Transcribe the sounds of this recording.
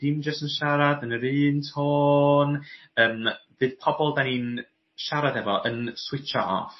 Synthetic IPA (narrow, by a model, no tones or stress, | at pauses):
d̥ɪmd͡ʒəstənʃaɾadənəɾɨːntʰoːn | əːmvɨːð̥pʰɔbɔlˠdaniːn | ʃaɾadɛvɔʔənswɪt͡ʃa̰ʔɔ̰f